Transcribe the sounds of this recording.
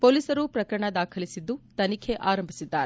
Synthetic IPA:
poːliːsɐɾupɾɐkɐɾɐɳɐd̪aːkʰɐlisid̪ːut̪ɐnikʰeʔaːɾɐmbʱi̥sid̪ːaːɾe

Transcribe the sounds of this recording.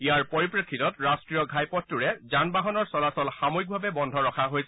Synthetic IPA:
ijaɹpɔɹipɹekʰːitɔtɹastɹijɔɡʱajpɔtːuɹɛzanbaɦɔnɔɹsɔlasɔlxamoik̚bʱabɛbɔndʱɔɹɔkʰaɦojsɛ

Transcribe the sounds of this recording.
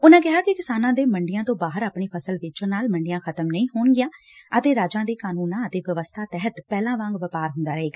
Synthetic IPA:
ʊnãːkɪɦaːkɪkɪsaːnãːd̪eːməɳɖɪjãːt̪õːbaːɦəɾaːpɳiːpʰəsəlʋɪt͡ʃõnaːlməɳɖɪjãːkʰət̪əmnəĩːɦoːɳɡɪjãː | ət̪eːɾaːd͡ʒãːd̪eːkaːnuːnãːət̪eːʋəʋəst̪ʰaːt̪ɛɦət̪pɛːlãːʋãːŋɡʋəpaːɾɦʊnd̪aːɾəɦeːɡaː

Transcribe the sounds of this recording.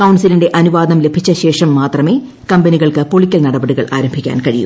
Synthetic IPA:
kɐwɳsilinɖe̞ʔɐnuʋaːd̪ɐmle̞bʱit͡ɕːɐɕe̞ːʂɐmːaːt̪rɐme̞ː | kɐmbɐniɣɐɭkɨpo̞ɭikʲːɐlnɐɽɐbɐɽiɣɐɭaːɾɐmbʱikʲːa̰ːnkɐɻijṵm

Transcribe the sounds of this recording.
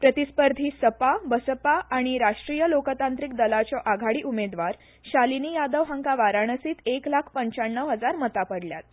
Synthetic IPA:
pɾət̪ispəɾd̪ʱiːsəpabəsəpaʔaɽ̃iɾaʂʈɾijəlokət̪ant̪ɾik̚d̪əlat͡ɕɔʔaɡʱaɽiːʔumed̪ʋaɾ | ɕaliniːjad̪əʋɦãŋkaʋaɾaɳ̃əsiːt̪eklakʰpəɲt͡ɕaɳːəʋɦəd͡zaɾmət̪apəɽlja̰t̪̚

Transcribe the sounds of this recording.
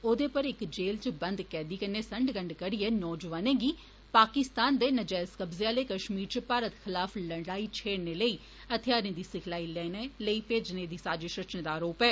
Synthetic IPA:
oːd̪eːpəɾɪkd͡ʒeːlt͡ʃəbənd̪kɛːd̪iːkəneːsəɳɖɡəɳɖkəɽiɛːnɔːd͡ʒʋaːnẽːɡiː | paːkɪst̪aːnd̪eːnəd͡ʒaːskəbzeaːleːkəʃmiːɾt͡ʃəpaːɾət̪xʰɪlaːfʰləɳɽaːiːt͡ʃʰeːɽneːləiː | ət̪ʰɪjaːɾẽːd̪iːsɪkʰlaːilɛːneləiːpeːd͡ʒneːd̪iːsaːd͡ʒeːʃɾət͡ʃnẽːd̪aːɾoːpɛː

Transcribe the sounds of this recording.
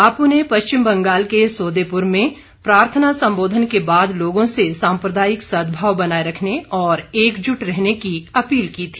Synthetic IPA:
aːpunɦepɐʃt͡ʃɪmbɐ̃ŋɡaːlkesoːd̪eːpʊɾmẽ | pɾaːɾt̪ʰənasɐ̃mboːd̪ʱənkebaːd̪loːɡõsesãːmpɾəd̪aːjɪksɐd̪bʱaːwbɐnaːeɾɐkʰneɔːɾeːkd͡ʒʊʈɾɛɦnekiɐpiːlkiːt̪ʰi

